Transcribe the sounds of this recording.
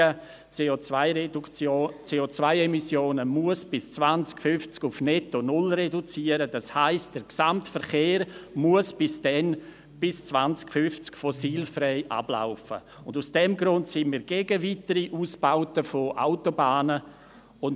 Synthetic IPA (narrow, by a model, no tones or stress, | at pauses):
ə | eoaɪot͡seːot͡svaɪɛmisjoːnəmuəsb̥ɪst͡svant͡skfʏnft͡skʊfnɛtonʊlredut͡siːəɾəd̥ɑshaɪst̚d̥əɾksamtfəɾχeːɾmuəsb̥ɪsd̥ɛn | b̥ɪst͡svant͡skfʏft͡skfɔsiːlfrɛɪʔa̰b̥la̰ʊfə̰ | ʊndusd̥ɛmɡɾʊntsɪnmiːɾɡ̥eɡəvitəɾiʔuːsb̥aʊtəfoʔa̰ʊtobaːnə | ʊn